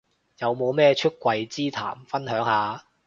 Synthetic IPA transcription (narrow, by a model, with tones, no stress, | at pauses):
jɐ˨˧wmo˨˧wmɛː˥t͡ʃʰɵ˥t̚kʷwɐ˧jt͡siː˥t̪ʰa̰ː˨˩mfɐ˥nɦœː˨˥ŋhaː˨˧